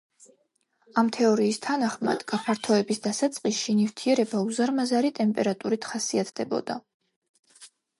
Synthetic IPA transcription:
amt̪ʰɛɔɾiːst̪ʰanaχma̰d̪̥ɡapʰaɾt̪ʰɔɛbisd̪asat̪sʼqʼisʃinivt̪ʰiɛɾɛbauzaɾmazaɾit̪ʼɛmpʼɛɾat̪ʼuɾit̪ʰχasiat̪ʰd̪ɛbɔ̰d̪a

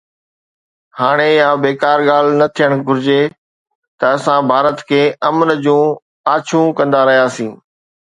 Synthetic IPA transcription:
haːɽ̃ejabeːkaːɾɠaːl̤nɐt̪ʰijəɽ̃ɡʱʊɾɪd͡ʑe | t̪ɐɐsãbʱaːɾət̪kʰeːʔɐmənəd͡ʑũː | aːt͡ɕʰũkɐ̃nd̪aɾɐɦijaːsĩː

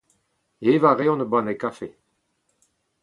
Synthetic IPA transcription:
evaʁeɔ̃nəbanekafe

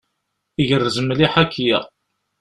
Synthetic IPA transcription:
iʝərːəzəmliħakʰːjæ̰

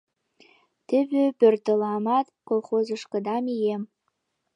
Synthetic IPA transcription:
t̪ɘ̆bɘpørt̪ə̆lɑmɑt̪kolˠχozɤ̆ʃkɤ̆d̪ɑmijem

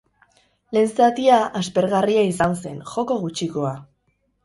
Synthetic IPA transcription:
le̞nsat̪iaʔaspe̞ɾɣariaisanse̞nxo̞ko̞ɣut͡ʃiko̞a

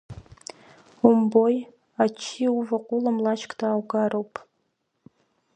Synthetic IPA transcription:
umboj | at͡ʃʰiuvaqʷʼulamlaʃkʼdʰaːwɡaɾowpʼ

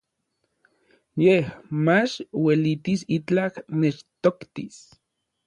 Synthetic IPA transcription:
jehmat͡ʃwelit̪isit͡ɬaknet͡ʃt̪okt̪is

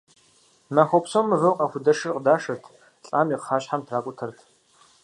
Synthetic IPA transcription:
naxʷɔpsomɨvɨwqʼɐxʷʊdɐʂɨrqədaːʂɐtʰ | ɬʼa̰ːmiqːaːɕħamtʰraːkʷʼʊtʰɐrtʰ

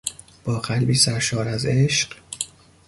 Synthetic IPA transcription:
b̥ɒːɢælbiːsæɾʃɒːɾæze̞ʃɢ

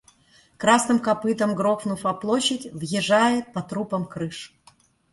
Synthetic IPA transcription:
kɾasnɨmkɐpɨt̪əmɡɾoxvnʊfɐplˠoɕːɪtʲvjɪʐajɪt̪̚pɐt̪ɾupəmkɾɨʂ

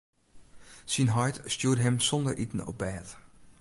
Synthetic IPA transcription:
sinɦɑjtstjuːdɦɛmsɔndəɹʔitn̩ɔ̰p̚bɛːt

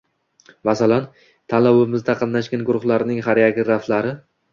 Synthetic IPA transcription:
masalan | t̪ʰalawɪmɪzd̪aqʰɑnnaʃɡʲanɡʊɾʊχlaɾnɪŋɦaɾjaɡʲɪɾaft̪laɾɪ

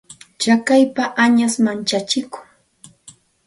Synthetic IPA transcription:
t͡ʃakajpaʔaɲasmant͡ʃat͡ʃɪkʊ̥ŋ

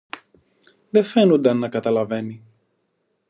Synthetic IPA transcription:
ðefe̞nond̪ɐnnːɐkɐt̪ɐlɐve̞ni

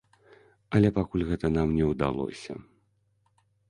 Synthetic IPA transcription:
ɐlʲɛpakulʲɣɛt̪ɐnamnʲɛwd̪a̰lˠɔ̰sʲɐ̰

